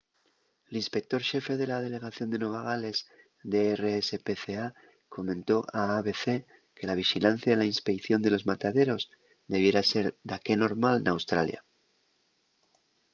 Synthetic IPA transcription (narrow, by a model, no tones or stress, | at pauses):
linspe̞k̚t̪o̞ɾʃe̞fe̞ðe̞lað̞e̞le̞ɣ̞aθjo̞nd̪e̞nweβaɣ̞ale̞z | d̪eereesepeθea | kʰo̞mẽ̞nt̪o̞ʔaːβe̞θe̞ | ke̞laβ̞ixilan̟θjaðelainspe̞kθjo̞nd̪e̞lo̞zmat̪aðe̞ɾo̞z | d̪e̞βje̞ɾase̞ɾd̪ake̞no̞ɾmalnawst̪ɾa̰lja̰